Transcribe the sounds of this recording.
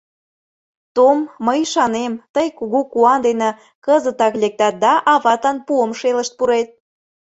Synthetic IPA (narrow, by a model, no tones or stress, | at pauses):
t̪omːəjʃɑnemt̪əjkuɣukuɑnd̪enĕ | kəzət̪ɑklek̚t̪æt̪̚d̪ɑʔɑβɑt̪ɑnpuəmʃeləʃt̪̚puɾet̪̚